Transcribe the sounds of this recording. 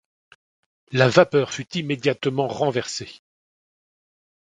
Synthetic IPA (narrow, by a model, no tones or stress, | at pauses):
lavapœʁfyt̪imed̪jat̪mɑ̃ʁɑ̃vɛʁse